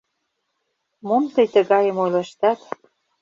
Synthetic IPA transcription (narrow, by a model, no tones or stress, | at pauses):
momt̪əjt̪ə̆ɣɑjə̆mojlɤʃt̪ɑt̪